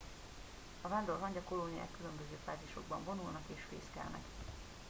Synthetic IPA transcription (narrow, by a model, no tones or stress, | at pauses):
ɒvaːnd̪o̞rɦɒɲɟɒko̞lonija̰ːkːylømbøzøːfaːziʃo̞̰ɡbɒɱvo̞nulnɒkeːʃfḛːskɛ̰lnɛ̰k